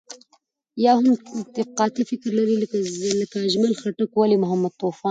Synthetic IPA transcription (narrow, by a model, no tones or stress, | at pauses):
jɑɦʊmd̪ɪqɑt̪ifɪkɾlaɾilləkaʒməlxaʈakwalimʊɦamːad̪̚t̪ofɑːn